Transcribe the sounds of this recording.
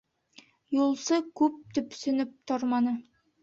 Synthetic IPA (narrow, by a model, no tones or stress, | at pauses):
julˠsɤkʉp̚t̪ɵpsɵ̆nɘp̚t̪oɾmɑnɤ